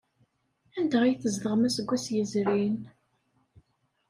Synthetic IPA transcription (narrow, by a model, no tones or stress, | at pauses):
ænd̪æʁijθəzðəʁmæsəɡʷːæsjəzɾin